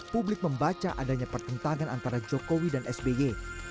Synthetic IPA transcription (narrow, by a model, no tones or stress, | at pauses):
publɪk̚məmbat͡ʃaʔadaɲapərt̪ənt̪aŋanant̪aɾad͡ʒɔkowidanʔɛsbeje